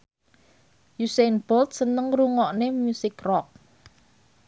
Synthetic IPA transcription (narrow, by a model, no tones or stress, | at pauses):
jusenbɔlt̪̚sənəŋruŋɔʔnemusɪkrɔk̚